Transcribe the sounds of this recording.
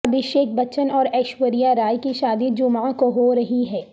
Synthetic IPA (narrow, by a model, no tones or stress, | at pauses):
ɐbɪʃeːk̚bɐt͡ʃənɔːɾɛːʃwəɾijaɾaːjkiʃaːd̪id͡ʒʊmaãkoɦoɾɐɦiɦɛː